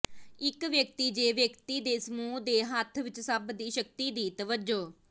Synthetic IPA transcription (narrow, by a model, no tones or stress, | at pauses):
ɪkʋjəkt̪iːd͡ʒeːʋjəkt̪iːd̪eːsəmuːd̪eːɦət̪ʰʋɪt͡ʃsəbd̪iːʃək̚t̪iːd̪iːt̪əʋəd͡ʒoː